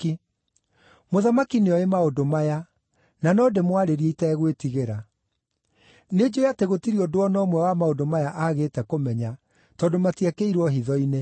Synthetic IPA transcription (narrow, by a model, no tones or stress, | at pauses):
i | moðamakineɔemaodomaja | nanɔːdemwaɾeɾieitɛɣwetiɣeɾa | ned͡ʑojateɣotiɾiɔdoɔnɔmwɛwamaodomajaʔaɣeːtɛkomɛɲa | tɔdomatiakeiɾwɔɦiðɔine